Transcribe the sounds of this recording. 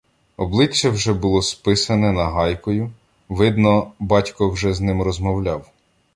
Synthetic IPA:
ɔblˠɪt͡ʃːɛwʒɛbʊlˠɔspɪsɐnɛnɐɦɑjkɔjʊ | ʋɪd̪nɔbɑtʲkɔwʒɛznɪmrɔzmɔwlʲɑw

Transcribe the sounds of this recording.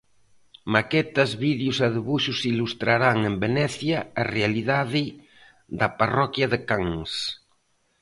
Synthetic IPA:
makɛt̪azβiðjusaðeβuʃusilust̪ɾaɾaŋembenɛθjaːrealiðaði | ðaparɔkjaðekaŋs

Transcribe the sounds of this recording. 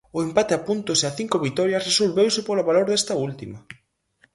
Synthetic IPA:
ʊempat̪eapunt̪ʊseaθiŋkoβit̪ɔɾjɐsresolβewsepolaβaloɾðest̪ɐult̪imɐ

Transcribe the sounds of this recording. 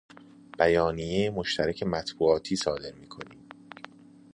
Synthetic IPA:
b̥æjɒːnijejemoʃt̪ʰæɾæcʰe̞mæt̪ʰbuːɒːt̪ʰiːsɒːd̪e̞ɾmiːkʰo̞̰niːm

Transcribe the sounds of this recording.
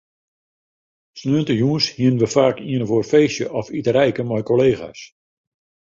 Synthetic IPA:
snøəntəjuːnshiənʋəfaːkiənəvorfeːsjəʔɔfitəɾɛjkəmɔjkoleːɣa̰s

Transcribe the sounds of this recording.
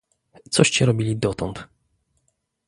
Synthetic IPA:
t̪sɔɕt͡ɕɛɾɔbʲilʲid̪ɔt̪ɔnt̪

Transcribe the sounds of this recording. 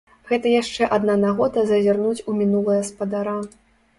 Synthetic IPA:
ɣɛt̪ɐjaʂt͡ʂɛʔad̪nanaɣɔd̪ɐzɐzʲarnut͡sʲumʲinulˠɨjɐspɐd̪aɾa

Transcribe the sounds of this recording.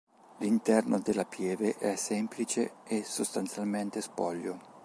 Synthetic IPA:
lint̪ɛrnod̪elːapʰjɛːveʔɛsɛmplit͡ʃeesost̪ansjalment̪espɔʎːo

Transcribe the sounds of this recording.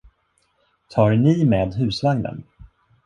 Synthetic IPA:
t̪ʰɑːɾnɪmeːd̪ɦʉ̟ːsvaŋnə̰n

